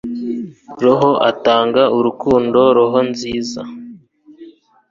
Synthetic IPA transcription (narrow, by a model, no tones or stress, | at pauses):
ɾoɦo̞ʔataːŋɡauɾukuːndo̞ɾoɦo̞nziːza